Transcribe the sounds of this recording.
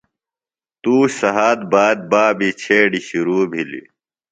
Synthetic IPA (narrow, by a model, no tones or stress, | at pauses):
t̪uːɕsɐɦaːd̪̚baːd̪̚baːbit͡ɕʰeːɖiɕuɾuːbʱilḭ